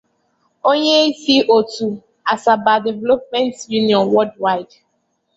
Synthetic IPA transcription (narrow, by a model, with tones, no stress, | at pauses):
o˦ɲe˦i˦si˦ʔo˨tu˨ | a˨sa˨ba˨de˨vɛ˦lo˦p̚mɛ̃˦ntju˦ni˨ɔ̃˨nwɔ˦ldwa˦ɪ˨d